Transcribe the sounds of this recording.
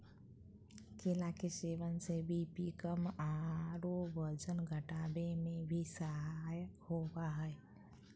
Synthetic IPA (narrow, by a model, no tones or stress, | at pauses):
kelakeseːʋənsebʱipikəmaːɾobəɾd͡ʒənɡʱəʈaːbemẽbʱisəɦajhowaɦɛɛ